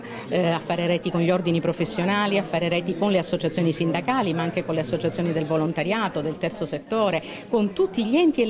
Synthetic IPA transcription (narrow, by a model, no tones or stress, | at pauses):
afːaːɾeɾɛːt̪ikonʎiord̪inipɾofesːjonaːliafːaːɾeɾɛːt̪ikonleasːot͡ʃat̪sjoːnisind̪akaːlimaaŋk̟ekonleasːot͡ʃat̪sjoːnid̪elvolont̪aɾjaːt̪od̪elt̪ɛrt̪soset̪ːoːɾe | kont̪ut̪ːiʎiɛnt̪ie